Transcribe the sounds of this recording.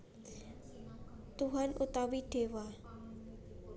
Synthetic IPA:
t̪uɦanut̪awiɖ̥ewa

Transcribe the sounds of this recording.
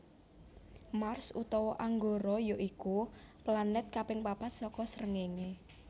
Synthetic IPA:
marsṵt̪ɔwɔʔaŋɡoɾɔjoʔikuplanɛt̪̚kapɪŋpab̥at̪sɔkɔsəɾəŋeŋe

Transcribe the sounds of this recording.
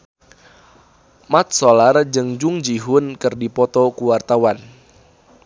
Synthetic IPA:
mat̪̚solard͡ʒəŋd͡ʒuŋd͡ʒiɦʊnkɨrdipɔt̪ɔkuwart̪awan

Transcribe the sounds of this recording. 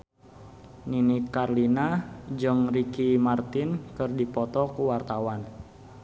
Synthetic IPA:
ninikarlinad͡ʒɨŋrikimart̪ɪnkɨrdipɔt̪ɔkuwart̪awan

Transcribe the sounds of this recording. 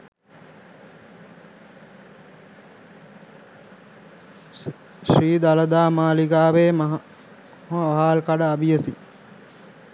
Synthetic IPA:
ʃriːd̪aləd̪aːmaːliɡaːʋeːmɦ | ɦoaɦaːlkaɖəabijəsi

